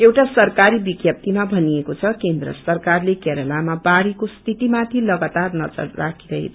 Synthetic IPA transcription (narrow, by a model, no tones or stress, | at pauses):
ewʈasʌrkaɾibiɡjʌp̚t̪imabʱʌniekot͡sʰʌkend̪ɾʌ̰sʌrkarlekeɾʌlamabaɽikost̪ʰit̪imat̪ʰilʌɡat̪arnʌd͡zʌ̰ɾra̰kʰiɾʌɦḭtʰ